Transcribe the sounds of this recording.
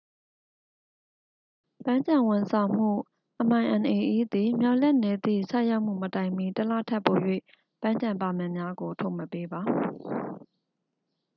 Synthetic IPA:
pã˦ɲd͡ʑã˨wʊ̃˨nsʰã˨ʊ̃m̥ṵ˦˨ | ʔəm̥ã˨ɪ̃ʔã˨nʔe˨ʔi˦˨d̪i˨mja˦ʊʔlɛ˦ʔnɛ˨d̪ḭ˦˨sʰa̰˦˨ja˦ʊʔm̥ṵ˦˨mə˨tã˨ɪ̃mi˨təla̰˦˨tʰɛ˦˨pːo˨jwḛ˦˨ | pã˦ɲd͡ʑã˨mpa˨mɛ̃˨mja˦ɡo˨tʰo˦˨mə˨pe˦ba˨

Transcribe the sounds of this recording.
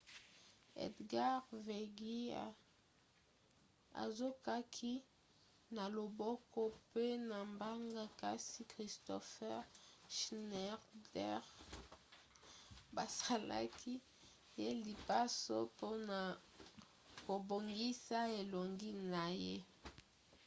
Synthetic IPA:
ḛ˨dɡa˦ʁve˨ɡi˦a̰˦ | a̰˨zo˦ka˦kʰi˦ | na˨lo˨bɔ˦kɔ˦pe˦na˨mba˦ŋɡa˦ka˦si˦kʁi˨stɔ˨fɛ˦ʁʃnɛ˦ʁdɛ˦ʁ | ba˨sa˨la̰˦kʰi˦ | je˦li˨pa˦so˦po˦na˨ | ko˨bo˨ŋɡi˦sa˦e˨lo˨ŋɡi˦na˨je˦

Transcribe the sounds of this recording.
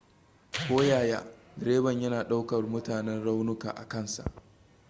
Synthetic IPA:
kʷoː˦jaː˨jaː˦ | ɡɾeː˦bɐ˨ɲjɐ˦naː˨ɗa˦wkɐ˨rmʊ˦taː˨nɛ˦nɽa˦wnʊ˦ka̰ː˨ʔa̰˨kɐ˦˨nsa̰˨ʔ

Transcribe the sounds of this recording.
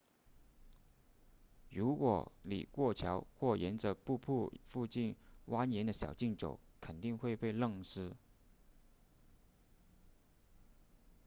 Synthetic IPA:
ɻu˧˥kwɔ̰˨˩lḭ˨˩kwɔ˥˩t͡ɕʰjɑ˧˥ʊxwɔ˥˩jɛ˧˥nt͡sɤ˧˥pu˥˧pʰu˥˧fu˥˧t͡ɕi˥˩nwʔa˥njɛ˧˥nd̪ə˧ɕjɑ˨˩ʊt͡ɕi˥˩ŋʈ͡ʂo̰˨˩˦ʊkʰə˨˩nt̪i˥˧ŋxwe˥˧ɪpe˥˧ɪlɤ˥˧ŋʂɻ̩˥

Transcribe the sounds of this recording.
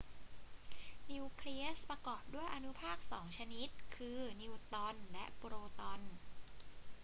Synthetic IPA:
ni˧wkʰli˦˥ɐ˥spɾa˧kɔː˨˩p̚du˥˩əjʔa˧nu˦˥pʰaː˥˩k̚sɔː˩˦ŋt͡ɕʰa˧ni˦˥t̪̚kʰɯː˧ni˧wt̪ɔ˧nlɛ˦˥ʔpu˧ɾoː˧t̪ɔ˧n

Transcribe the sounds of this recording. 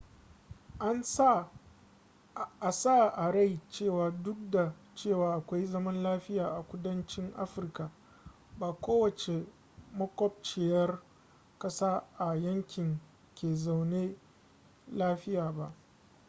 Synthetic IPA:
ʔa˦nsa˦ | ʔa˨sa˦˨ʔa˨ɽa˦˨jt͡ʃeː˦˨waː˨dʊ˦k̚da˨ | t͡ʃeː˦˨waː˨ʔa˨kʷa˦jzɐ˦mɐ˦nlaː˦ɸɪ˦jaː˨ʔa˨kʷʊ˦dɐ˦nt͡ʃɪ˦ŋʔa̰˦ɸɪ˨rka˨ | baː˨kʷoː˦wɐ˨t͡ʃe˨ | mɐ˦kʷɔ˦p̚t͡ʃe˨jɐ˦r | kɐ˦saː˦ʔa˨jɐ˦ŋkʲɪ˨ŋ | kʲeː˨za˨wneː˦ | laː˦ɸɪ˦jaː˨ba˦ʔ

